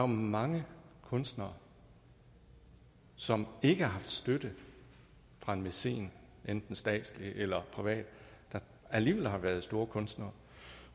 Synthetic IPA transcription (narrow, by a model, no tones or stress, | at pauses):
mɑ̈ŋəkʰɔ̽nsd̥nɐː | sɒ̽me̝ɡ̥əɑ̈ɦɑ̈fd̥sd̥ød̥ə | fʁɑ̈e̝nmese̝̰ːn | ʔend̥n̩sd̥ɛ̰ːd̥sliʔelɐpʰʁiʋɛ̰ːd̥d̥ɑ̈ | æliːʋelhɑ̈ʋæɐð̞̩ˠsd̥o̝ːɐkʰɔ̽nsd̥nɐː